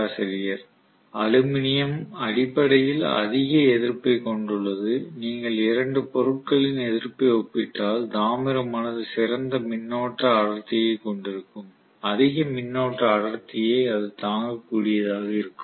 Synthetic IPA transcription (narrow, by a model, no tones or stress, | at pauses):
ɐsɐɾɪjɐɾ | ɐlɯmɪnɪjɐmɐɽɪpːɐɽɐjɪlɐ̰ðɪɣɐɛðɪɾpːɐɪkɔɳɖɯɭːɐðɯniːŋɡɐɭɪɾɐɳɖɯpɔɾɯʈ̚kɐɭɪnɛðɪɾpɐɪɔpːɪʈːaːld̪aːmɪɾɐmɐːnɐðɯsɪɾɐnd̪ɐmɪnːoːʈːɐːɽɐɾt̪ːɪjɐɪkɔɳɖɪɾɯkːɯm | ɐðɪɣɐmɪnːoːʈrɐːɽɐɾt̪ːɪjɐɪɐðɯt̪aːŋɡɐkːuːɽɪjɐðaːɣɐɪɾɯkːɯm